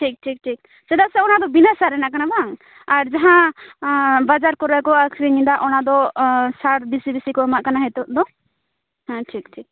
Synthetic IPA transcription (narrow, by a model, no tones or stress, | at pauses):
ʈʰik̚ʈʰik̚ʈʰik̚ | sɛd̪aʔ̚sɛɔnad̪ɔbinasaɾɛnaʔkanabaŋ | aɾd͡ʒaɦã | bad͡ʒaɾkɔɾakɔakʰɾiɲĩd̪aʔɔnad̪ɔsaɽbisibisikɔɛmaʔkanaɦɛt̪ɔʔ̚d̪ɔ | hãʈʰik̚ʈʰik̚